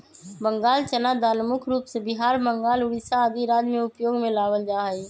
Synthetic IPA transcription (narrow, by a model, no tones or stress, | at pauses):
bəŋɡaːlt͡ʃənad̪aːnmʊkʰɾuːpsebɪɦaːɾbəŋɡaːlʊɽisaəd̪iɾaːd̪mẽʊpjoːɡmẽlaːʋəld͡ʒaːɦiː